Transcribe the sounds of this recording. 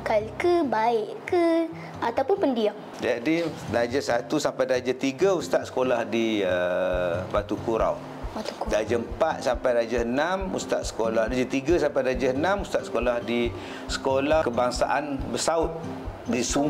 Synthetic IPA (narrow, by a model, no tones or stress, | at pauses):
kalkəbaɪʔkə | at̪awpʊnpəndiaŋ | dadidad͡ʒasat̪usampajdad͡ʒat̪iɡaust̪at̪̚sə̥kolahdiə | bat̪ukuɾa̰w̪ | udad͡ʒəmpat̪̚sampajɾad͡ʒaənamṵst̪a̰ʔ̪sə̥kolahdad͡ʒat̪iɡasampajdad͡ʒaənamust̪at̪ʔ̪sə̥kolahdi | sə̥kolakəbaŋsa̰ʔanbəsaʊt̪̚disu